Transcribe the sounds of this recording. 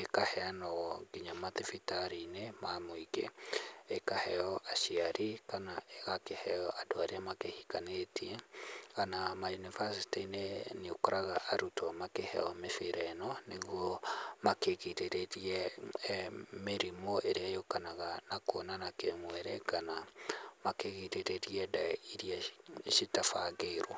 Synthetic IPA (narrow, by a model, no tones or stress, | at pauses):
ekahɛanɔɡiɲamatefitaɾinemamoikḛekahɛɔʔaʃiaɾikanaeɣakehɛɔʔadoaɾeamakehikanetiɛkanamajunivasi̥tineneokoɾaɣaʔaɾutɔmakehɛ̰ɔmefeɾɛnɔneɣɔmakeketeɾeɾiɛ | meɾimɔʔeɾeajokanaɣanakonanakemwɛɾɛkanamakeɣiteɾeɾiɛdaiɾiaʃitafaɡeiɾa